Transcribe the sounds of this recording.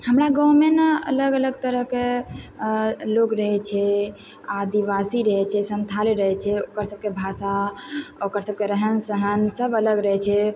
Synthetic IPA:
həmɾaɡə̃wmenaə̰ləɡələɡt̪əɾəɦke | lokɾəɦɛt͡ʃʰɛ | ad̪iʋasiɾəɦɛt͡ʃʰɛsənt̪ʰaleɾəɦɛt͡ʃʰɛokəɾsəb̚kebʱasa | okəɾsəb̚keɾəɦənsəɦənsəbələɡɾəɦɛt͡ʃʰɛ

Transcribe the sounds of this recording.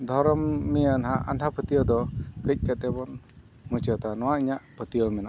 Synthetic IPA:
d̪ʱɔɾɔmːijanɦaʔand̪ʰapət̪ijɔd̪ɔkəc̚ˀkat̪̚ɛbɔn | mut͡ʃɔt̪anɔ̃waʔiɲaʔpət̪ijɔmɛnaʔ

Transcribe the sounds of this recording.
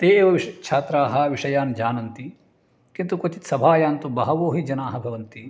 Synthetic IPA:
t̪eːʋɐʋiʂɐt̪kt͡ʃʰaːt̪ɾaːɦɐʋiʂɐjaːnd͡ʒaːnɐnt̪i | kint̪ukot͡ʃit̪sɐbʱaːjaːnt̪ubɐɦɐʋoːɦid͡ʒɐnaːɦɐbʱɐʋɐnt̪i

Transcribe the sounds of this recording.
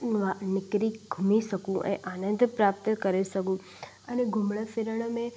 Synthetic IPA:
ʋanɪkɾiɡʱumisəkũʔḛʔanənd̪ʱpɾap̚t̪əkəɾesəkũ | əneɡʱumɭəfeɾəɳ̃mẽ

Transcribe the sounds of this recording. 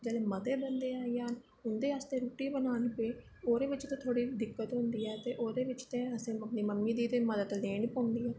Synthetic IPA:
d͡ʒɛːleːmət̪eːbənd̪eːaːijaːn | ʊnd̪eːaːst̪ẽːɾuːʈiːbənaːnpeː | oːɾeːʋɪt͡ʃt̪ẽːt̪ʰoːɽiːd̪ɪkːət̪ɦʊ̃nd̪iːɛːt̪eːʔoːd̪eːʋɪt͡ʃt̪ẽːəsẽːəpniːməmːiːd̪iːt̪eːməd̪ət̪leːɳipõːnd̪iːɛː

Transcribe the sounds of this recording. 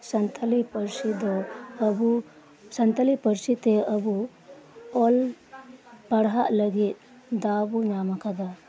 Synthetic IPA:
sɐnt̪ʰɐlipɐɾsid̪obu | sɐnt̪ɐlipɐɾsit̪eɐbu | ɔl | pɐɽɦaʔlɐɡit̪̚ | d̪aːbunaːmɐkɐd̪ɐ

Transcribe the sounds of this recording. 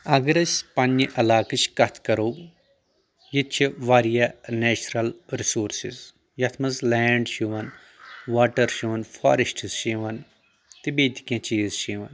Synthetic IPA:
ɐɡɐɾɐsʲpɐniʔɐlaːkɐt͡ʃʰkɐt̪ʰkɐɾoː | jit̪t͡ʃʰiʋaːɾijanɛːt͡ʃɾɐlɾisuːɾsḭz | jɐt̪ʰmɐzlɛːɳɖʃuʋɐn | ʋaːʈɐɾʃiːʋɐnfʰa̰ːɾesʈʰzʃiʋɐn | t̪ibeːd̪ikjãːt͡ʃiːzʃiʋɐn

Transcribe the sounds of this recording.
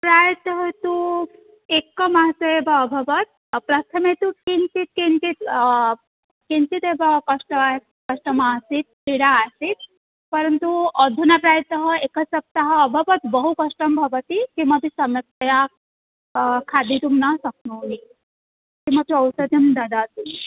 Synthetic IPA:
pɾaːjɐt̪ɐɦɐt̪u | ekɐmasɐebɐːbʱɐʋɐt̪̚ | pɾɐt̪ʰɐmet̪ukint̪it̪̚kint̪it̪ | kint̪it̪ebɐkɐʂʈɐa | kɐʂʈɐmaːsit̪̚piɽaːsit̪̚ | pɐɾɐnt̪uɐd̪ʱunapɾaːjt̪ɐɦɐekɐsɐp̚t̪aɦɐːbʱɐʋɐt̪bɐɦukɐʂʈɐmbʱɐʋɐt̪ikimɐbʱisɐmjɐk̚t̪ɐja | kʰad̪ʱit̪umnɐsɐk̚ʰnoːni | kimɐtuɐwsɐd̪ʱjɐmd̪ɐd̪at̪un

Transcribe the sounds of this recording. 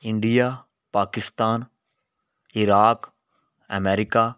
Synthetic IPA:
ɪ̃ɳɖija | paːkɪst̪aːn | ɪɾaːk | ə̰mɛːɾɪkaː

